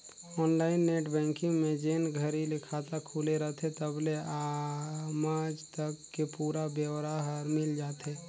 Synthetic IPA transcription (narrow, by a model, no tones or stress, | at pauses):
ɔːnlaːɪnːeːʈbɛ̃ːŋkɪ̃ŋɡmẽd͡ʒeːnɡʱəɾilɪkʰat̪akʰuːleɾət̪et̪əblea | maːd͡ʒt̪əkːepuːɾabjəwɾaɦɾmɪld͡ʒaːt̪eː